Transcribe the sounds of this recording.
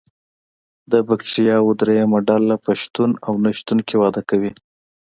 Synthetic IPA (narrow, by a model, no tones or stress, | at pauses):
d̪əbakʈijɑwod̪ɾejamaɖɑlːapəʃt̪unawnaʃt̪unkewɑd̪akawi